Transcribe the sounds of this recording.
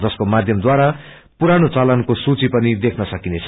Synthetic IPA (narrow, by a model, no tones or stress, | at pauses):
d͡zʌskomad̪ʱjʌmd̪waɾa | puɾanot͡salʌnkosut͡sipʌnid̪ekʰnʌsʌkinet͡sʰ